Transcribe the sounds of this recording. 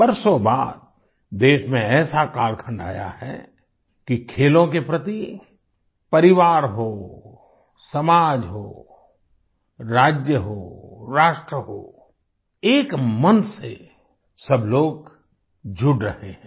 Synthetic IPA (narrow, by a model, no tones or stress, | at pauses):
bɐɾsoba̰ːd̪̚ | d̪eːʃmẽɛːsakaːɾkʰə̃ɳɖa̰ːja̰ɦɛ̰ | kikʰeːlõkepɾət̪i | pɐɾɪʋaːɾɦoː | sɐmaːd͡ʒɦoː | ɾaːd͡ʒjəɦoːɾaːʃʈɾəɦo̰ː | eːkmənse | sɐbloːɡ | d͡ʒʱʊɖɾəɦẽɦ